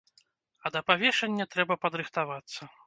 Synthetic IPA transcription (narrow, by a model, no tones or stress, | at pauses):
ɐd̪ɐpavʲɛʂɛnʲːɐt̪ɾɛbɐpɐd̪ɾɨxt̪avat̪sːɐ